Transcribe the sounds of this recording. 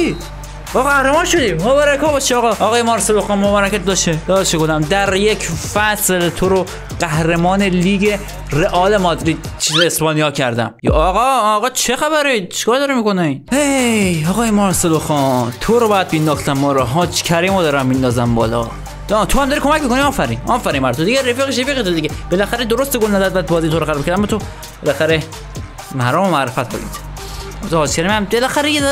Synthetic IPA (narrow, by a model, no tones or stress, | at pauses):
ɒɣæhɾemɒːnʃod̪iːmobɒːɾækʰɒbɒʃiɒɣɒʔːɣɒːjemɒɾseloxɑːnmobæːɾækæt̪̚d̪ɒʃed̪ɒːʃekod̪æmd̪æɾjecʰfæslt̪ʰoɾo | ɢæhɾemɒːneliːɡe | reʔɒːlemɒd̪ɾiːd̪̥̚ | t͡ʃʰesbɒːnijɒːcʰæɾd̪æ̰mjːɣɒːɣɒːt͡ʃʰexæβæɾit͡ʃʰi̥kʰɒːɾd̪ɒːɾemikonehejɒːɣɒːjemɒɾseloxɒːnt̪ʰoɾobɒjæd̪̚bind̪ɒxt̪ʰæmːɒːlɒɦɒt͡ʃcʰæɾemɒd̪ɒːɾæmːind̪ɒːzæmbɒ̰ːlɒ̰ | d̪t̪ʰohæmd̪ɒɾikʰomæcmikoniɒːfæɾiːnɒːfæɾinmæɾt̪ʰod̪iɟeɾefiːɣeʃ̬efiːɣet̪ʰod̪iɟeb̥elæxæɾed̪oɾost̪eɡolnæzæd̪̚væt̪̚bɒːzijt̪ʰoɾoxæɾbkʰæɾd̪æmːɔːt̪ʰo | b̥elæxæɾe | mæɾɒːmomæʔɾefæt̪̚bo̰ḭt̪ː | hːd͡ʒkʰæɾemæmbelæxæɾejed̪